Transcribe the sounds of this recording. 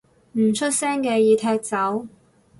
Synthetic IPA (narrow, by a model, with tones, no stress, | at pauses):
m̩˨˩t͡ʃʰɵ˥t̚sɛː˥ŋkɛː˧jiː˨˧t̪ʰɛː˧k̚t͡sɐ˨˥w